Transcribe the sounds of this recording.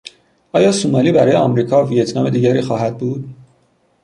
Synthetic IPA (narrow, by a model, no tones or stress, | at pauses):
ʔɒːjɒːsumɒːliːbæɾɒːjeɒmɾiːkʰɒːvijet̪ʰnɒːme̞d̪iːɟæɾiːxɒːhæd̪̚buːd̪